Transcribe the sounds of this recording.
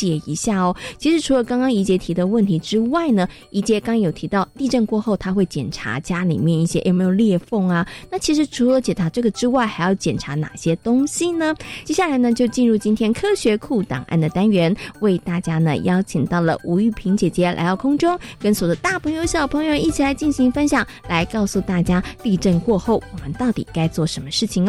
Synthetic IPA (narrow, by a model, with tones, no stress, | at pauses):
jɛ˨˩ḭ˧˥ɕja˥˩ɔ˩t͡ɕʰi˧˥ʂɻ̩˧˥ʈ͡ʂʰu˧˥lə˧kɑ˥ŋkɑ˥ŋi˧˥t͡ɕjɛ˧˥t̪ʰi˧˥d̪ə˥˧wə˥˩nt̪ʰi˧˥ʈ͡ʂɻ̩˥wa˥˩ɪnə˩ | ʔi˧˥t͡ɕjɛ˧˥kɑ˥ŋjo˨˩ʊt̪ʰi˧˥t̪ɑ˥˩ʊt̪i˥˧ʈ͡ʂə˥˧ŋkwɔ˥˧xo˥˩ʊt̪ʰa˥xwe˥˩ɪt͡ɕjɛ̰˨˩nʈ͡ʂʰa̰˧˥t͡ɕja˥lḭ˨˩mjɛ˥˧ni˥˩ɕjɛ˥jʔo˨˩ʊme˧˥jo˨˩ljɛ˥˧fo˥˩ŋɐ˨na˥˩t͡ɕʰi˧˥ʂɻ̩˧˥ʈ͡ʂʰu˧˥lə˨˦t͡ɕjɛ˨˩ʈ͡ʂʰa˧˥ʈ͡ʂɤ˥˩ɡə˩ʈ͡ʂɻ̩˥wa˥˩ɪxa˧˥ɪjɑ˥˩ʊt͡ɕjɛ˨˩nʈ͡ʂʰa˧˥na̰˨˩ɕjɛ˥t̪ʊ˥ŋɕi˨nə˧t͡ɕjɛ˥ɕja˥˩la˧˥ɪnə˧t͡ɕjo˥˧ʊt͡ɕi˥˧nɻu˥˩t͡ɕi˥nt̪ʰjɛ˥nkʰɤ˥ɕɥɛ˧˥kʰu˥˩t̪ɑ̰˨˩ŋʔa̰˥˩nd̪ə˩t̪a˥nɥɛ˧˥nwe˥˧ɪt̪a˥˩t͡ɕja˥nə̰˨jɑ˥ʊt͡ɕʰi˨˩ŋt̪ɑ˥˩ʊlə̰˩ʔu˧˥y˥˩pʰi˧˥ŋt͡ɕjɛ˨˩t͡ɕjɛ˧˥la̰˧˥ɪt̪ɑ˥˩ʊkʰʊ˥ŋʈ͡ʂʊ˥ŋkə˥nswo˨˩d̪ə˧˦t̪a˥˩pʰɤ˧˥ŋjo˧˥ʊɕjɑ˨˩pʰɤ˧˥ŋjo˧ʊi˥˩t͡ɕʰi˨˩la˧˥ɪt͡ɕi˥˩nɕi˧˥ŋfə˥nɕjɑ˨˩ŋ | la˧˥ɪkɑ˥˧ʊsu˥˧t̪a˥˩t͡ɕja˥li˥˧ʈ͡ʂə˥˧nkwɔ˥˧xo˥˩ʊwɔ˨˩mə˦nt̪ɑ˥˩ʊt̪ḭ˨˩ka˥ɪt͡swɔ˥˩ʂə˧˥nmə˧ʂɻ̩˥˩t͡ɕʰi˨˩ŋ